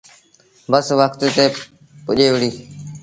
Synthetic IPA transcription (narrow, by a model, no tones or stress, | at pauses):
bəsʋəkt̪t̪eː | pʊʄeːʋɽiː